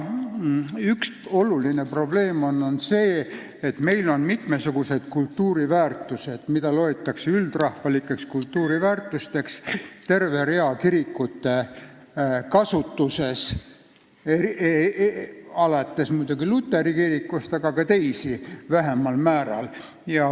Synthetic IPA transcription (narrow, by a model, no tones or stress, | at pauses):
ykso̞luline̞pro̞ble̞ːmo̞nːo̞nse̞ː | et̪me̞jlo̞nmit̪mesuɡ̥use̞d̪̥̚kult̪ːuːɾivæːrt̪ːˑuse̞d̪̥mid̪̥ɑlo̞et̪ːˑɑkseyld̪̥rɑhfɑlikːˑe̞kskult̪ːuːɾivæːrt̪ːˑust̪e̞kst̪e̞rve̞ɾe̞ɑkiɾikːˑut̪ːe̞ | kɑsut̪ːuse̞s | e | ɑlɑt̪ˑːesmujd̪̥uɡilut̪ːe̞ɾikiɾikːust̪ɑɡ̥ɑkɑt̪e̞jsivæɦemɑlmæːɾɑ̰l | jɑ